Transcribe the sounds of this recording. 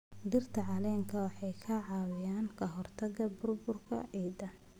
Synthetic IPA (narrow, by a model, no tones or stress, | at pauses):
d̪ɪrt̪ʰɐʕɑlɛːŋkʰɐwɑħɑjkʰɐʕɑːwɪjaːŋkʰɐɦɔrt̪ʰɐɣɐbʊrbʊrkʰɐ̰ʕiːd̪ɐn